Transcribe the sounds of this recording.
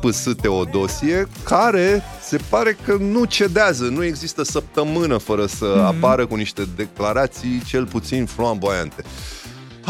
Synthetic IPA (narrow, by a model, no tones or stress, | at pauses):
pɨsɨt̪e̞o̞d̪o̞sie̞kʰaɾe̞ | se̞paɾe̞kənut͡ʃe̞d̪eazənue̞ɡzist̪əsəp̚t̪əmɨnəfəɾəsəapaɾəkuniʃt̪e̞d̪e̞klaɾat̪sijt͡ʃe̞lput̪sinfloambojant̪e̞